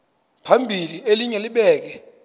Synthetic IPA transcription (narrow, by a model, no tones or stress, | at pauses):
pʰambʱilieliɲɛliɓɛːk̬ɛ